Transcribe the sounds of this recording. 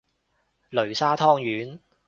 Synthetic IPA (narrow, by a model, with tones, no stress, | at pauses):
lɵ˨˩ɥsaː˥t̪ʰɔː˥ŋjyː˨˥n